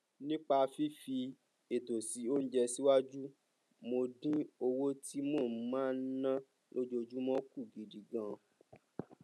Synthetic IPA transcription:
nĩ˦k͡pa˧fi˦fi˧ | e˨to˨si˨˦o˦n̩˦d͡ʒɛ˧si˦wa˦d͡ʒu˦ | mo˧dĩ˦o˧wo˦ti˦mo˦˨˦mãː˦˨n̩˦nã˦ | lo˦d͡ʒo˧d͡ʒu˦mɔ̃˦ku˦˨ɡi˨di˨ɡã˨

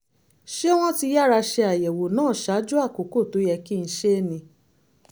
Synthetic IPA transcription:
ʃe˦o˦w̃ɔ̃˦ti˧ja˦ɾa˧ʃe˧a˨jɛ˨wo˨nãː˦˨ʃa˨˦d͡ʒu˦a˦˨ko˨˦ko˦˨to˨˦jɛ˧ki˦˧n̩˧˦ʃe˦nĩ˧

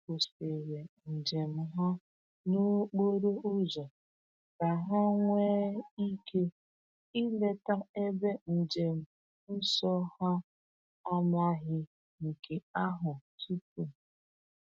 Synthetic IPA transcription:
ko˨spe˨ɾe˨n̩˨d͡ʒe˨m̩˨ɦa˦ | no˦k͡po˦ɾo˦u˦zɔ˨ | ka˨ɦa˦ŋʷeː˦i˦ke˦ | i˦le˦ta˦e˦be˦n̩˨d͡ʒe˨m̩˨˦ | n̩˦sɔ˦ha˦ | a˦mla˦ɦɪ˦ | ŋ̩˨ke˨a˦ɦʊ˨tu˦ku˨

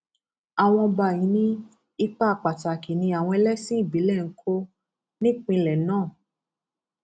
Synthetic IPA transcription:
a˨w̃ɔ̃˧ba˧˨jĩ˨˦nĩ˦ | i˧k͡pa˦˨k͡pa˨ta˨ki˨nĩ˧a˨w̃ɔ̃˧ɛ˧lɛ˦sĩ˦i˦˨bi˨˦lɛ˦˨ŋ̩˦kʰo˦ | nĩ˦k͡pĩ˧lɛ˨˦nãː˦˨

